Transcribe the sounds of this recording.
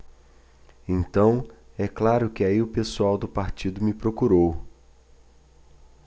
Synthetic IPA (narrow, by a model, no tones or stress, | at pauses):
ẽnt̪ɐ̃w̃ɛklaɾʊkɪaiʊpesuawd̪ʊpaɾt͡ʃid̪ʊmɪpɾokuɾow